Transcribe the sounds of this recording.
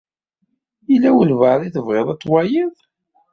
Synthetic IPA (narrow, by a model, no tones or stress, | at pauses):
ilːæwəlvəðˤiθəvʁeðˤɑt͡sˤːwajiðˤ